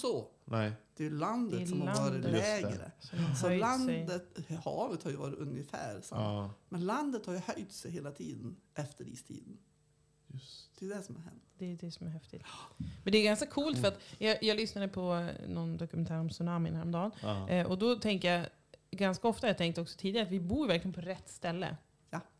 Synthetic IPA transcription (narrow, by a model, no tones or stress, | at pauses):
sɔ | d̪̥ɛjʉland̪əɛsɔlaːdɾɪlɛːɡɾə̰sɔmsɔœjlanɛjd̪ət̪hɑ̰ːvət̪haɾjəvɑ̰ːɾɪt̪ɵnjəfæ̰ːɾsa̰mmɛnland̪ət̪haɾjɵhœjt̪sɛjɦeːlat̪ʰiːd̪ənʔɛft̪əɾḭːst̪ʰḭːd̪ən | d̪̥ɛd̪ɛsɔmha̰ɾhɛ̰nt̪d̪ɛd̪ɛsɔmæɾɦɛft̪ɪt̪mɛnd̪ɛːɾɡanskakʰuːlt̪ffœɾat̪jɑjɑːɡlʏsnad̪əpʰɔnɔnd̪ɔkɵmɛnt̪ʰæːɾɔmsʉnaːmɪ̰nhæːɾɔmd̪ɑːnʔɔd̪ɔt̪ʰɛŋk̪əjɑ | ɡanskaɔft̪ajɑːt̪ʰɛŋk̚t̪əɔksɔt̪ʰiːd̪ɪɡɾat̪vɪbuːjvæɾklɪɡənpʰɔɾɛt̪ːst̪ɛlːə̰ | ja